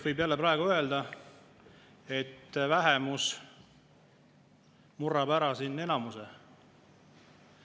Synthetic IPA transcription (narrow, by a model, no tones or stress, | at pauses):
vɤjbjælːepɾɑeɡ̥uø̞eld̪ɑ | e̞t̪ːvæɦɛmus | murːɑbæɾɑsinːe̞nɑmuse